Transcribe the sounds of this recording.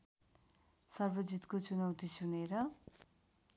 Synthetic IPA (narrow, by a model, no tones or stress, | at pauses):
sʌrbʌd͡zit̪kot͡sunʌwt̪isuneɾʌ